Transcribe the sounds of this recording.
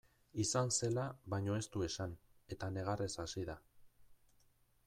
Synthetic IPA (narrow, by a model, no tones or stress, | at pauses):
isanse̞laβaɲo̞e̞st̪ue̞sane̞t̪ane̞ɣ̞are̞sasiða